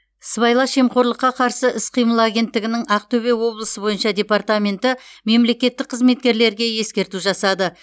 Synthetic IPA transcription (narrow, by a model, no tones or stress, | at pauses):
sbɑjlˠɑʃe̞mqo̞ɾlˠəqːɑqʰɑɾsəʔɪsqʰijməlˠaɡʲe̞nt̪ːɪɡʲɪnɪŋɑq̚t̪ʰɵβe̞wo̞blˠəsəbo̞jənʃɑd̪ʲe̞part̪amʲe̞nt̪ɪme̞mle̞kʲe̞t̪ːɪk̚qʰəzme̞t̪̚kʲe̞ɾle̞ɾɡʲe̞je̞skʲe̞ɾt̪uʒɑsɑd̪ə